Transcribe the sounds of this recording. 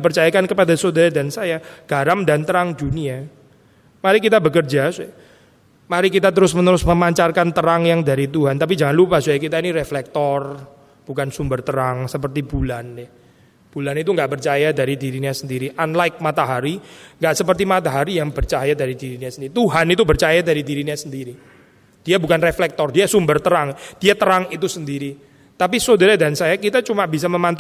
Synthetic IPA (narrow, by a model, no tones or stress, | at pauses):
p̬ərt͡ʃajakankəpadasodaɾadansajaɡ̥aɾamdant̪əɾaŋd͡ʒunia | maɾikit̪abəkərd͡ʒasuɛ | maɾikit̪at̪əɾʊsmənəɾʊsməmaɲt͡ʃarkant̪əɾaŋjaŋdaɾit̪uɦant̪ap̬id͡ʒaŋanlupasujakit̪ainiɾeflɛk̚t̪ɔr | b̥ukansumbərt̪əɾaŋsəp̬ərt̪ibulanːɪh | b̥ulanit̪uŋɡaʔpərt͡ʃajadaɾidiɾiɲasəndiɾiʔanlaɪk̚mat̪aɦaɾiŋɡaʔsəpərt̪̬imat̪aɦaɾijaŋbərt͡ʃajadaɾidiɾinɲasəndiɾit̪uɦanit̪ubərt͡ʃajadaɾidiɾiɲɲasəndiɾi | d̥iabukanreflɛk̚t̪ɔrdiasumbərt̪əɾaŋd̥iat̪əɾaŋit̪̬usəndiɾi | t̪ap̬isodaɾadansajakit̪at͡ʃumabis̬aməmant̪u